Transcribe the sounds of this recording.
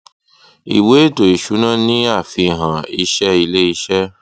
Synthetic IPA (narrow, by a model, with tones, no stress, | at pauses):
ḭ˨we˨˦to˨i˨ʃu˨˦nã˦˨nĩ˦a˦˨fi˧˨ɦã˨i˧ʃɛ˦i˧le˦i˧ʃɛ˦